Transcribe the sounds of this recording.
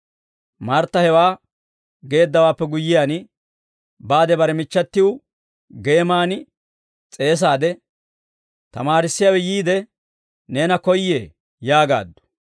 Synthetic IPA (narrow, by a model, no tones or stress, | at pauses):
maɾt̪ːɐhɛwaː | ɡe̞ːd̪ːɐwaːpːɛɡʊjːɪjaːn | baːd̪ɛbɐɾɛmɪt͡ʃːɐt̪ːɪwʊ | ɡe̞ːmaːn | t͡sʼe̞ːs̬aːd̪ɛ | t̪ɐmaːɾɪsːɪjawɛjiːd̪ɛ | ne̞ːnɐkɔjːḛː | jaːɡa̰ːd̪ːʊ̥